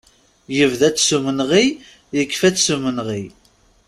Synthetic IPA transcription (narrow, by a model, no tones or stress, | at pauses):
jəvðæt͡sːsumənʁi | jəkːfæt͡sːsumənʁi